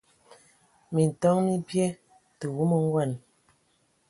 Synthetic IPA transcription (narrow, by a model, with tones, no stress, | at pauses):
mi˨n̩˨tɔ˦ŋmi˦pjɛ˦ | tə˨wu˦mə˦ŋ˦ɡwa˦˨n